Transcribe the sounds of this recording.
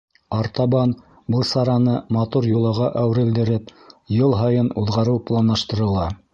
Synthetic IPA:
ɑɾt̪ɑβɑn | bɤlˠsɑɾɑnɤmɑt̪uɾjulˠɑʁɑʔæwɘ̆ɾɘ̆ld̪ɘ̆ɾɘpjɤlˠɦɑjɤnuðʁɑɾɤwplˠɑnlɑʃt̪ɤ̆ɾɤ̆lˠɑ

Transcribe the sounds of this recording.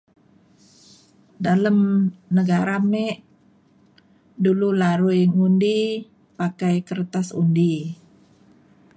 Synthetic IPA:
daləmnəɡaɾamɛʔ | dululaɾujŋundi | pakajkərt̪asṵndi

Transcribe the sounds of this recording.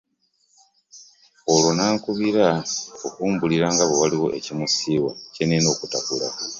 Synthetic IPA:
olwo̞naːŋkuβiɾaokuːmbuliɾaːŋɡaβowaliwo̞ʔe̞cimusiːwaceneno̞ːkutakula̰

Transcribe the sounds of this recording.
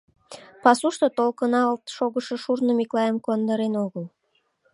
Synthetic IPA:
pɑsuʃt̪ot̪olkənɑlt̪ʃoɣəʃɤʃurnəmiklɑjemkuɑnd̪əɾenoɣəl

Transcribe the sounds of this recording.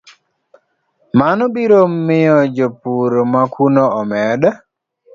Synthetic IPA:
manɔbiɾomːɪjɔd͡ʒopuɾmakʰunoɔmɛda

